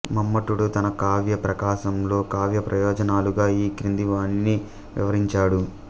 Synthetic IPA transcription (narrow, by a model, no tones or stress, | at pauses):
mɐmːɐʈuɽut̪ɐnɐkaːʋjɐpɾɐkaːʃɐmlo̞ːkaːʋjɐpɾɐjɔːd͡ʒɐnaːluɡaːiːkɾind̪iʋaːnini | ʋḭʋɐɾiɲt͡ʃaːɽu